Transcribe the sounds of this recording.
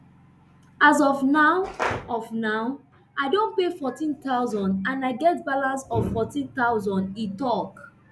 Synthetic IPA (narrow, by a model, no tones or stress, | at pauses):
azɔfnaɔfnaʊ | aɪdõnpefɔtĩnt̪aʊzɔ̃ndãnaɪɡɛtbalasɔffɔtĩnt̪aʊzɔ̃nditɔk